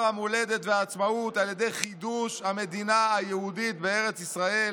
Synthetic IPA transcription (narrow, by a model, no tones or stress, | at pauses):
amole̞d̪e̞t̪veaːt͡smaut̪aljed̪e̞jχid̪uʃhame̞d̪inaajehud̪itbeeʁe̞t͡sisʁae̞